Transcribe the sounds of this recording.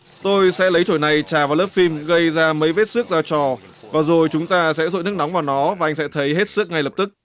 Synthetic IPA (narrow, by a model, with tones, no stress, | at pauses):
t̪o˧jsɛ̰˧˥lə˨˦jt͡ɕo˧˩jna˨˩jt͡ɕaː˨˩vaː˨˩wləː˦˥p̚fi˧mɣə˧jzaː˧mə˨˦jve˦˥t̚sɨ˦˥ək̚zaː˧t͡ɕɔ˨˩ | vaː˨˩zo˨˩jt͡ɕʊ˨˦ŋ͡mt̪aː˧sɛ̰˧˥zo̰˧˨jnɨ˦˥əkna˨˦wŋ͡mvaː˨˩wnɔ˨˦vaː˨˩ʔa˧jŋ̟sɛ̰˧˥t̪ʰə˨˦jɦe˦˥t̚sɨ˦˥ək̚ŋa˨˩jləː˨˩p̚t̪ɨ˦˥k̚